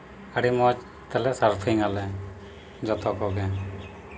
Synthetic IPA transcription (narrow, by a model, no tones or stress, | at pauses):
əɽimɔt͡ʃ | t̪ɛlɛsəɾpʰiŋalɛ | d͡ʒɔt̪ʰɔkɔɡɛ